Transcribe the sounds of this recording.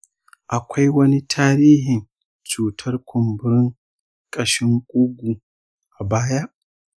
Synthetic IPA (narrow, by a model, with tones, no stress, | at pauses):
ʔa˨kʷa˦jwɐ˦ni˦tʰaː˦ɾiː˦ɦɪ˨n | t͡ʃuː˨tʰɐ˦rkʷʰʊ˨mbʊ˦ɾɪ˦ŋ | kʼɐ˨ʃɪ˦ŋkʷʼʊ˦ɡʷu˨ | ʔa˨baː˦ja˦ʔ